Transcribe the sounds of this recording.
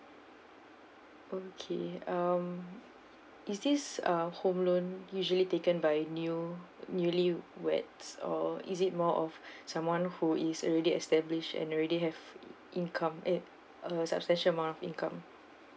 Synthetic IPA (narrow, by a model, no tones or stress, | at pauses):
ʔokʰeam | isdisahõmlõnjuʒəlitekə̃nbajnjunjuliwɛ̰tsɔ̰ḭs̬it̚mɔʔɔfsãmwãnhuisɔ̰lɹɛdiɛ̰stɛbliʃtɛ̰̃nɔɹɛɾiɦɛvʔĩnkʰãmɛ | əsa̰pstɛ̃nʃəmãnɔfḭ̃nkãm